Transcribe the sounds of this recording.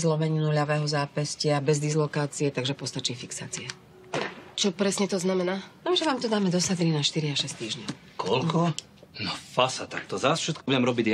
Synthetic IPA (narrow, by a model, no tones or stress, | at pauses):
zlɔmɛɲinuʎaʋɛːɦɔzaːpɛscɪabɛzd̪izlɔkaːt͡siɛt̪aɡʒɛpɔst̪at͡ʃiːfiksaːt͡siɛ | t͡ʃɔpɾɛsɲɛt̪ɔznamɛnaːnɔʒɛʋaːmt̪ɔd̪aːmɛd̪ɔsad̪ɾinaʃt̪iɾiaʃɛst̪iːʒɲɔʊ | kʰɔlkʰɔ | nɔfasat̪ak̚t̪ɔzasfʃɛt̪kɔbuɟɛmɾɔbiɟ